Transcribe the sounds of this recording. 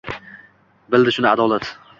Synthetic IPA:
bɪld̪ɪʃʊnɪad̪ɒlat̪

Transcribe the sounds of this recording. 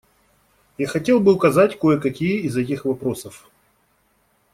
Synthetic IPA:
jaxɐtʲe̞lˠbɨʊkɐzatʲkojəkɐkʲijəizɛtʲɪxvɐpɾo̞səf

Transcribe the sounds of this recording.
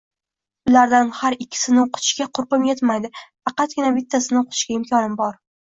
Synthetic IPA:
ʊlaɾd̪anhaɾɪkʲʰːɪ̥sɪnɪwqʰʊ̥t̪ʰʊ̥ʃkʲaqʰʊɾpɨmjet̪majd̪ɪfɑqɑt̪̚ɡʲɪnabɪt̪ʰːasɪnɨwqʊ̥t̪ʊ̥ʃkʲaɪmkʲɒnɪmbɒɾ

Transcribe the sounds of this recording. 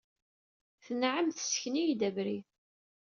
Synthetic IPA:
θənʕəmθsçnijd̪æbɾi

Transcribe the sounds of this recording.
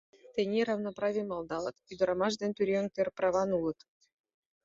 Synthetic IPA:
t̪ʲenʲeɾɑvnoprɑvʲijmɑlˠd̪ɑlˠɤ̆t̪yd̪ɤ̆ɾɑmɑʒd̪enʲt̪yɾʲeoŋkt̪ʲerprɑvɑnulˠɤ̆t̪

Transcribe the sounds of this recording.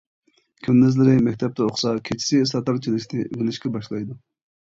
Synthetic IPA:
kʲʰymlɪzlɪɾɪmɛkʲt̪ʰɛp̚t̪ʰɛoχsɑkʲʰet͡ʃʰi̥sɪsɑt̪ɑɾt͡ʃʰilɪʃʲnɪʔyɡʲɪlɪʃkʲɛbɑʃlˠɑjd̪u

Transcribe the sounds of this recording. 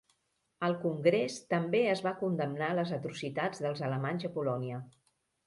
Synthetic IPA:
əlˠkuŋɡɾest̪əmbeəzβakund̪əmnaləzət̪ɾusit̪ad͡zðəlˠzələmanzəpulɔniə

